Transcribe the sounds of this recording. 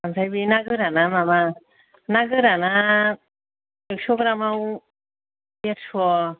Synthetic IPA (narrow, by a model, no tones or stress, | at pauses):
ansʰajbinaɡɯɾanamama | naɡɯɾana | eksɔɡɾamaw | betsʰɔ